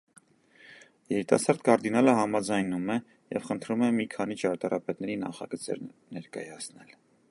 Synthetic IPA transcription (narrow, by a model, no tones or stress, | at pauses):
jɛɾit̪ɑ̰sɑɾd̪kɑɾd̪inɑləɦɑmɑd͡zɑjnumɛ | jɛvχənt̪ʰɾumɛmikʰɑnit͡ʃɑɾt̪ɑɾʔɑpɛt̪nɛɾinɑ̰χɑ̰ɡət͡sɛ̰ɾnɛɾkɑjɑt͡sʰnɛl